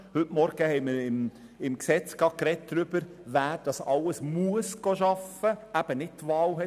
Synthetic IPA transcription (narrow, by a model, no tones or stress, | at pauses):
hʏtmɔɾɡ̥əhɛɪməɾɪm | ɪmksɛt͡sɡ̥ɑkɾɛt̚d̥ɾʏb̥əɾ | væːɾd̥ɑsɑləsmuəsɡ̥oʃɑfəæb̥ənɪt̚tʋɑːlɦɛ